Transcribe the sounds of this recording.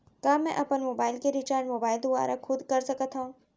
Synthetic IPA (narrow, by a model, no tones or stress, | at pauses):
kaːmɛ̃ʔɐpənmoːbaːɪlkeɾit͡ʃaːɾɳmoːbaːɪld̪ʊa̰ːɾʔakʰʊd̪kɐɾsɐkət̪ɦaũː